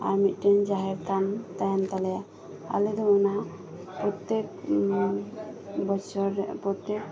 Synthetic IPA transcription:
a̰ɾmit̪̚ˀʈɛnd͡ʒaɦɛɾt̪amt̪ajant̪alɛja | a̰led̪ɔɔna | pɾɔt̪ːek | bɔt͡ʃɔɾpɾɔt̪ek̚

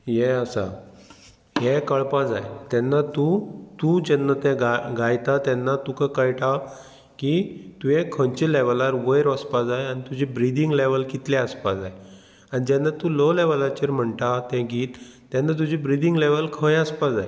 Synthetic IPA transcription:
jɛəsa̰ | jɛkəɭpad͡zajt̪ɛnːat̪ut̪ud͡ʑɛnːat̪ɛ̃ɡaɡajt̪at̪ɛnːat̪ukəkəjʈʰa | kit̪ujɛ̃kʰənt͡ɕilɛʋəlaɾʋəjɾəspad͡zajañit̪ud͡ʑibɾid̪iŋɡleʋəlkit̪lɛəspad͡zaj | anid͡ʑɛnːat̪uloleʋəlat͡ɕeɾm̤əɳʈ̪at̪ɛ̃ɡiːt̪ː | ɛnːat̪̬ud͡ʑibɾid̪iŋɡleʋəlkʰəjəspad͡zaj

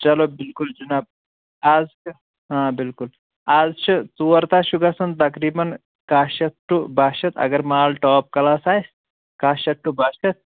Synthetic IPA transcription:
t͡ʃɐlobilkuld͡ʒunaːb̚ | aːz | ɦãːbɪlkul | aːzt͡ʃʰit͡suːɐɾt̪aːʃuɡasɐnt̪ɐkɾiːbɐn | kaːʃɐt̪ʈːubʱaːʃɐt̪ʰɐ̰ɡɐɾmaːlʈɔːp̚kɐlaːsaːjs | kaːʃɐʈːubʱaːʃɐt̪̚

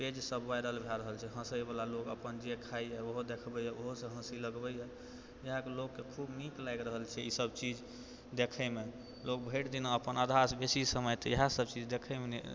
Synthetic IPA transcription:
ped͡ʒsəbʋajɾəlbʱeɾəɦəlt͡ʃʰɛɦə̃səjbalalokə̰pənd͡ʒekʰaiɛoɦod̪ekʰbəjaoɦosə̃ɦə̃siləɡbəja | jəɦãkelokːekʰubniklajɡɾəɦəlt͡ʃʰɛisəbt͡ʃid͡ʒ | d̪ekʰəme | lok̚bʱəjʈd̪inaəpənad̪ʱasbesisəməjt̪ɔəɦãsəb̚t͡ʃid͡ʒd̪ekʰəmen

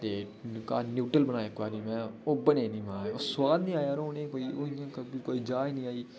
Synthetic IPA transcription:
t̪eː | kaːnjuːʈəlbənaːeːkaːɾĩːmɛ̃ːoːbəneːnĩːmaaːeoːswaːd̪nĩːaːjaɾooːneːkoːiːoiãːkəbikoːiːd͡ʒaːinĩːaːiː

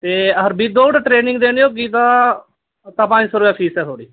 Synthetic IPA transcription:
t̪eːəɦəɾbiːd̪oːʈːʈɾeːnɪ̃ŋɡd̪eːnjoːɡiːt̪aː | t̪apə̃ɲd͡ʒsoːɾbɛːpʰiːsɛːt̪ʰoːɽiː

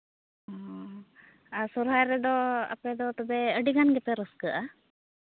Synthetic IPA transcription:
ɔ | asɔɾɦajɾɛd̪ɔa̰pɛd̪ɔt̪ɔbɛəɖiɡanɡɛt̪ɛɾɔskəʔa

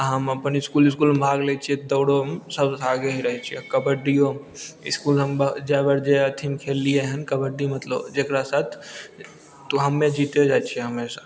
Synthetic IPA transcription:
ɦəməpənɪskuːlɪskuːlbʱaːɡlet͡ʃʰiɛd̪əːɽomsəbaːɡeɦiɾəɦɛt͡ʃʰiɛkəbəɖijo | ɪskuːlɦəmbəd͡ʒaːbəɾd͡ʒeət̪ʰimkʰeːlijeɦənkəbəɖimət̪lə̰bd͡ʒeːkɾasaːt̪ʰ | t̪oɦəmːẽd͡ʒit̪ed͡ʒaːt͡ʃʰiɛɦəmesa

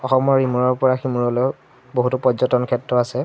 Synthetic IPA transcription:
ɔxɔmɔɹɹimuɹɔɹpɔɹaximuɹɔlɔj | boɦutupɔzɔtɔnkʰɛtɹɔasɛ

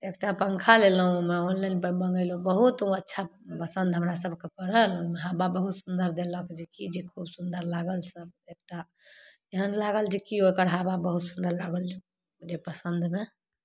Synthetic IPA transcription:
ekʈapəŋkʰalelɦũmɛonlajnpəbəŋɡəɪlobəɦut̪ũətːʃʰapəsənd̪ʱɦəmɾasəbkepəɾəlomeɦababəɦut̪sund̪əɾd̪elɔked͡ʒekid͡ʒekʰubsund̪əɾlaɡəlsəb̚ek̚ʈa | eɦənlaɡəld͡ʒekiokəɾɦababəɦut̪sund̪əɾlaɡəld͡ʒe | d͡ʒepəsənd̪ʱme

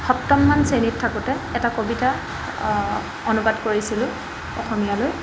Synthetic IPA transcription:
xɔp̚tɔmːansenitʰːakutɛɛtakobita | onubadkoɹisilʊ̃ | ɔxɔmijaloj

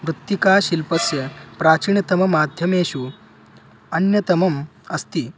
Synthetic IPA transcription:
ʋɾut̪ːikaːɕilpɐsjɐpɾaːt͡ɕiɳɐt̪ɐmɐmaːd̪ʱjɐmeːɕu | ɐnjɐt̪ɐmɐmɐst̪iː

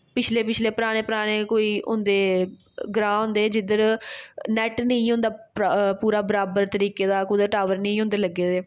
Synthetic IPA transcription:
pɪt͡ʃʰleːpɪt͡ʃʰleːpəɾaːɽ̃eːpəɾaːɽ̃eːkoːiːʔʊ̰nd̪eː | ɡɾãːʊ̃nd̪eːd͡ʒɪd̪əɾnɛːʈnəĩːɦʊ̃nd̪aːppuːɾaːbəɾaːbəɾt̪əɾiːkeːd̪aːkʊd̪əʈaːʋəɾnəĩːɦʊ̃nd̪eːləɡːeːd̪eː

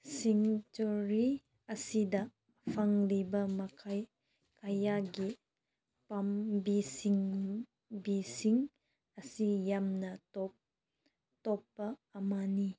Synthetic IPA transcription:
siŋt͡ʃuɾi | ɐsidɐ | pʰaŋlibɐmɐkʰaj | kajaɡi | pambisiŋ | bisiŋ | ɐsijamnɐtɔp | tɔpːɐːmani

